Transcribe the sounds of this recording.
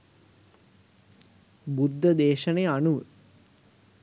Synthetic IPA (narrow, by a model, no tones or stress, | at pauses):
bud̪ʱːəd̪eːʃəneanuʋə